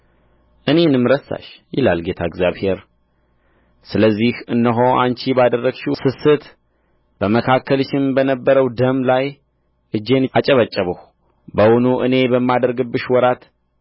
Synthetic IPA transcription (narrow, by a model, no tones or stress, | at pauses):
ʔɨne̞nɨmːɾəsa̰ʃjɪla̰lɡe̞t̪ʰaɪɡzjaβhe̞ɾ | sɨləzːihɨnːəɦoʔa̰nt͡ʃibad̪ərːəɡʃusɨsɨt̪ | b̥əməkʰakʰːəlɨʃɪnbənəbːəɾəwd̪əmlaj | ʔɨd͡ʒːe̞nat͡ʃʼəβət͡ʃʼːəβəh | bəwʊnuʔɨne̞bəmːad̪əɾɡɨbːɨʃwɔɾat̪